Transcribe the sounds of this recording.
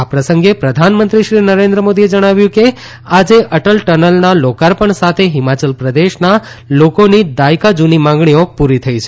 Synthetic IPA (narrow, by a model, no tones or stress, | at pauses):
apɾəsəŋɡepɾəd̪ʱanmənt̪ɾiʃɾinəɾẽnd̪ɾəmod̪ied͡ʒəɽ̃aʋjũke | ad͡ʒeʔəʈəlʈənəlnalokaɾpəɳsat̪ʰeɦɪmat͡ʃəlpɾəd̪eʃna | lokonid̪ajkad͡ʒunimãŋɡɳiopuɾit̪ʰəit͡ʃʰe